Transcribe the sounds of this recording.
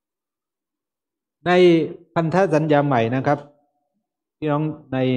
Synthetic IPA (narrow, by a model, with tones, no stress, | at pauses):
na˧jpʰa˧nt̪ʰaː˦˥˨sa˨˦njaː˧ma˨˩jna˦˥kʰa˦˥p̚ | tʰiː˦˥nɔː˧˦˥ŋna˧j